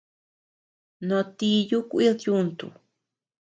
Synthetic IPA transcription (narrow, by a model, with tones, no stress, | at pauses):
nõ˧t̪i˧ju˦kʷi˦ðjunt̪ṵ